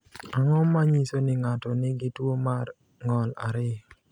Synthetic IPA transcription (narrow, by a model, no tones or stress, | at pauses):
aŋɔmaɲisonɪŋatɔnɪɡɪtwomar | ŋɔla̰ɾɪ